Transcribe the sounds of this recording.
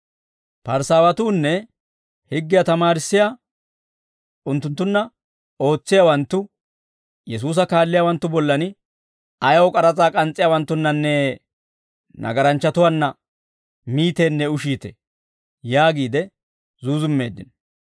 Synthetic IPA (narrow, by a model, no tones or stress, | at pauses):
pɐɾsaːwɐt̪uːnːɛ | hɪɡːɪjat̪ɐmaːɾɪsːɪjaː | ʊnt̪ːʊnt̪ːʊnːɐ | o̞ːt͡sːɪjawɐnt̪ːʊ | jɛs̬uːs̬ɐkaːlːɪjaːwɐnt̪ːʊbɔlːɐnɪ | ɐjɐwɔkʼɐɾɐt͡sʼaːkʼɐnt͡sʼːɪjawɐnt̪ːʊnːɐnːɛ | nʔɐ̰ɡɐɾɐnt͡ʃːɐt̪ʊwanːɐ | miːt̪e̞ːnːɛʊʃiːt̪ḛ | jaːɡiːd̪ɛ | zuːzʊmːe̞ːd̪ːɪn